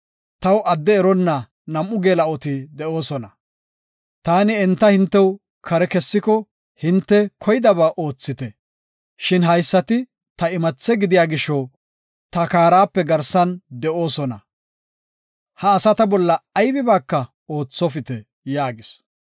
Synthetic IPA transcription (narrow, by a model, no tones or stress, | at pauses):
t̪ɐwɐd̪ːɛːɾɔnːɐ | nɐmːʊɡeːlɐʔɔt̪ɪd̪ɛo̞ːsɔnɐ | t̪aːnɪɛnt̪ːɐhɪnt̪ːɛw | kʰɐɾɛkɛsːɪkɔ | hɪnt̪ːɛkʰɔjd̪ɐbaːʔoːt͡sːɪt̪ɛ | ʃɪnɦɐjsːɐt̪ɪ | t̪ɐɪmɐt͡sːɛɡɪd̪ɪjaːɡɪʃːɔw | t̪ɐkaːɾaːpːɛɡɐɾsɐnd̪ɛʔo̞ːsɔnɐ̰ | hɐːsɐt̪ɐbɔlːɐːjbɪbaːkːɐ | oːt͡sːɔfɪt̪ɛ | jaːɡɪs